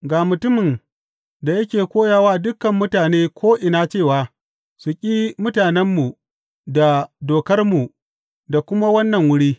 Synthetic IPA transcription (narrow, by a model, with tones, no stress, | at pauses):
ɡaː˨mʊ˨tʊ˦mɪ˨n | da˨jɐ˦k̬ʲeː˨kʷoː˦jaː˨waː˦dʊ˦kːɐ˨mːʊ˦taː˨neː˦kʷoː˦ʔɪ˨na˦t͡ʃeː˦˨waː˨ | sʊ˨kʲʼi˦mʊ˦taː˨nɛ˦mːu˨ | da˨doː˨kɐ˦rmu˨ | da˨kʷʊ˦ma˦wɐ˦nːɐ˨ŋwʊ˦ɽiː˦